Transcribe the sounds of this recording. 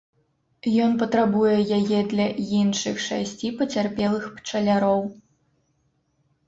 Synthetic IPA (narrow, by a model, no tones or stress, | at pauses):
jɔnpɐt̪ɾabujɛjajɛd̪lʲɐinʂɨxʂa̰sʲt͡sʲipɐt͡sʲarpʲɛlˠɨxpt͡ʂɐlʲaɾɔw